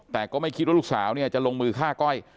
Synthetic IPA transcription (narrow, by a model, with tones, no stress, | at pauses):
t̪ɛː˨˩kɔː˥˩ma˥˩jkʰi˦˥wa˥˩luː˥˩saː˩˦wni˥˩ɐt͡ɕa˨˩ʔlo˧ŋmɯː˧kʰaː˥˩kɔ˥˩j